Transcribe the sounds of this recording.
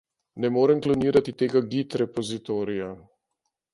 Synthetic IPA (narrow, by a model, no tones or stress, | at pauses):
nɛmoːɾɛmklɔniːɾat̪it̪eːɡaɡit̪ɾɛpɔzit̪oːɾija